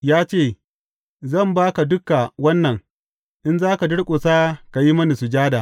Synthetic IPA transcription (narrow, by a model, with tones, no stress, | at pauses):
jaː˦t͡ʃeː˦˨ | zɐ˦˨mbaː˦ka˨dʊ˦ka˨wɐ˦nːɐ˨ŋ | ʔɪ˦nzaː˦ka˨dʊ˦ɽkʷʼʊ˨saː˦ka˨ji˦mɐ˦ni˨su˨d͡ʒaː˦daː˨